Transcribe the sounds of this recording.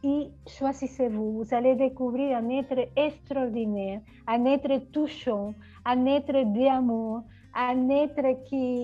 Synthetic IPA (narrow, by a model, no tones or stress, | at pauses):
iswazisevuvuzaled̪ekuβɾiɾãnɛt̪ɾeest̪ɾɔɾd̪inɛɾ | ãnɛt̪ɾet̪uʃɔ̃ | ãnɛt̪ɾed̪eamuɾ | ãnɛt̪ɾeki